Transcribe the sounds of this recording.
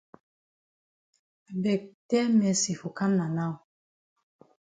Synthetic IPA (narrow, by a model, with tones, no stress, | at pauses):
bɛ˨k̚tɛ˦mɛ˨si˨fu˨ka˦mna˨na˦˨w